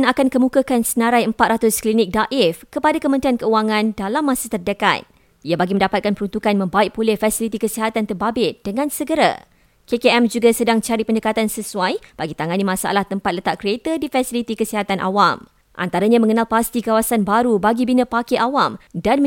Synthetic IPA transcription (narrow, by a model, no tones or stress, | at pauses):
nakankəmũkakansənãɾajəmpat̪̚rat̪ʊsklinɪk̚daʔɛfkəpadakəmə̃nt̪ɾiankəuaŋãndalamːãsat̪ərdəka̰t̪̚ | iabaɡiməndapat̪̚kanpəɾunt̪ukanmə̃mbaɪʔ̚pulɛhfasilit̪ikəsiɦat̪ant̪ərbabɪt̪̚d̥əŋãnsəɡəɾa̰ | kekeɛmd͡ʒuɡasədaŋt͡ʃaɾipəndəkat̪ansəsuajb̥aɡit̪aŋanimãsaa̰laht̪əmpat̪̚lət̪aʔkɾiet̪ədifasilit̪ikəsiɦat̪anʔa̰wam | ʔa̰nt̪aɾaɲãmə̃ŋənalpast̪ikawasanbaɾubaɡibinə̃pakeʔawamdanm